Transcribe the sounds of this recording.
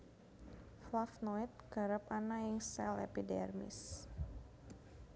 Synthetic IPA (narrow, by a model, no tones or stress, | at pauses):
flafnɔit̪̚kəɾəpanajəŋsɛlɛ̰pidɛ̰rmḭs